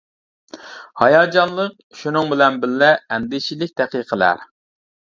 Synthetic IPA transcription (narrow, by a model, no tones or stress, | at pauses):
hɑjɑːd͡ʒɑnlˠəq̚ʃunɨŋbɪlɛnbɪllːɛɛnd̪ɪʃilɪk̚ʲd̪̥ɛqiqʰəlæ̰ɾ